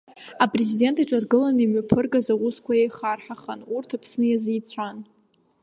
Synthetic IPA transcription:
apʼrezide̞ntʰaʈ͡ʂʼarɡɨlanimɥapʰɨrɡazawʊskʷajejχarħaχanurtʰapʰsnɨjazijt͡sʷʰan

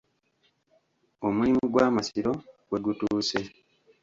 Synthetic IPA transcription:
o̞mulimiɡwaːmasiɾo̞ɡwe̞ɡutuːse̞

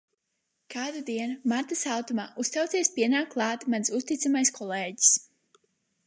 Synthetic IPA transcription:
kʰaːd̪ud̪iɛnumaɾt̪asawt̪umaːust̪awt̪siɛspiɛnaːkːlˠɑːt̪mansust̪it̪samajskʰɔleːɟi̥s

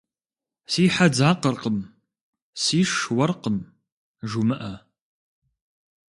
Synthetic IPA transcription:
siːħad͡zaːqərqəm | siːʂwɐrqəm | ʒumɨʔɐ

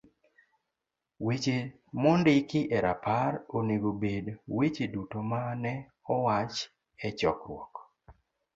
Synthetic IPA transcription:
wet͡ʃe | mɔndɪkɪʔɛɾapaɾoneɡobedwet͡ʃedutomanɛ | ɔwat͡ʃ | ɛt͡ʃɔkɾwɔk

